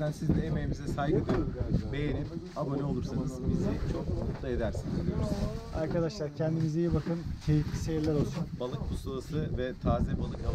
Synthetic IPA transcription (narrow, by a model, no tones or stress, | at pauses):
ænsizd̪ɛemejimizɛsajɡɯd̪ɯɾbe̞jenim | abonɛo̞lˠuɾsanɯz̥bizit͡ʃʰo̞k̚ut̪lˠae̞d̪æɾsinized̪ʲijoɾusna̰ɾkad̪aʃlˠaɾcʰɛnd̪imizejɛbakʰɯncʰe̞jiflʲise̞jiɾlʲæɾo̞lˠsunbalˠɯk̚bʰusalˠasɯvɛt̪ʰaːzɛbalˠɯkʰa